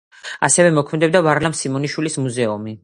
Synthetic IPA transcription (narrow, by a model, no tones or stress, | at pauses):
a̰sɛvɛmɔkʰmɛd̪ɛbd̪avaɾlamsimɔniʃwilismuzɛumi